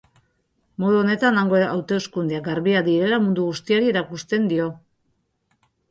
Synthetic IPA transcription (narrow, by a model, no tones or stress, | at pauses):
mo̞ð̞uo̞ne̞t̪anaŋɡoa̰wt̪e̞skund̪eaɡaɾβiad̪iɾe̞lamund̪uɣust̪iaɾie̞ɾakust̪e̞nd̪io̞